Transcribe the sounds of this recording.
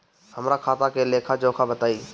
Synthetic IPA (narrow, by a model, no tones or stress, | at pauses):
həmɾakʰaːt̪akeleːkʰad͡ʒoːkʰabət̪aːiː